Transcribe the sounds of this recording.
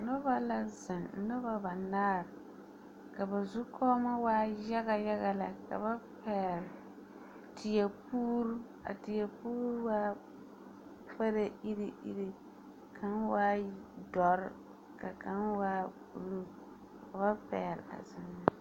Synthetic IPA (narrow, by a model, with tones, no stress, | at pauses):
nʊ˦ba˦la˦zɪ˨nn̩˦nʊ˦ba˦ba˨naː˦ɾ | ka˨ba˨zu˦kʰɔː˦ma˦waː˦ja˦ɣa˨ja˦ɣa˨la̰˨ka̰˨ba˦pɛː˨ɾ | tɪ˨jɛ˨puː˦ɾu˦ | a̰˨tɪ˨jɛ˨puː˦ɾwaː˦ | pa˦ɾa˦i˦ɾi˦ʔḭ˦ɾi˦ | kʰa˦nwaː˦dɔ˨ɾɪ˦ | ka˨ka˦nwaː˦pu˨lu˦ | ka˨βa˦pɛ̰ː˨ɾ̰a̰˨zɪ˨nːa˦